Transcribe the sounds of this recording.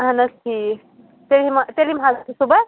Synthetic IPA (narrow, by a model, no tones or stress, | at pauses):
ɦɐnɐst̪ʰi | t̪elɦimɐt̪elimɦazɐt̪ʰisubɐ